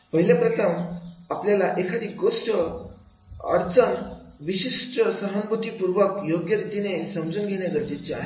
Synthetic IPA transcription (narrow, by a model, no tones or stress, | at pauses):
pəɦiljapɾət̪ʰəmapljalaʔekʰad̪ʱiːɡosʈə | ə̰ɾt͡sənʋiɕiʂʈəsəɦənbut̪ipuɾʋəkjoɡjəɾut̪inesəmd͡zunɡʱeɽjaɡəɾt̪it͡ɕia̰ɦe